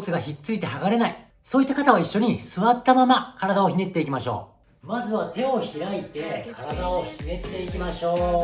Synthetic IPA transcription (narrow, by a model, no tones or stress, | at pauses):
t͡sɨɡaçitt͡sɨit̪e̞ɦaɡaɾe̞nai | so̞ːit̪ːakat̪aβaiɕːo̞ɲ̟isɨβat̪ːamamakaɾad̪ao̞çine̞t̪ːe̞ikʲimaɕo̞̰ː | mazɨβat̪e̞o̞çiɾait̪e̞kaɾad̪aoçine̞t̪ːe̞ikʲimaɕo̞ː